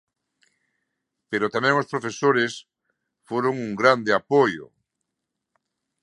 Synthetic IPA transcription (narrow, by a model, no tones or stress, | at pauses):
peɾot̪amɛ̃ŋospɾofesoɾes | foɾoŋuŋɡɾand̪eapojo̰